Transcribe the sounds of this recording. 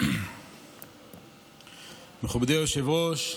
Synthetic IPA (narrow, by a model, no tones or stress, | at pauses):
meχubd̪eoʃevoʃ